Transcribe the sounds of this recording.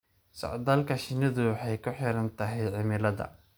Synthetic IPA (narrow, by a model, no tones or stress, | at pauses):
sɐ̰ʕd̪ɐːlkʰɐʃɪnɐðʊwħɑjkʰʊħɪɾɐnt̪ʰɐɦɛjʕɪmɪlɐðɐ̰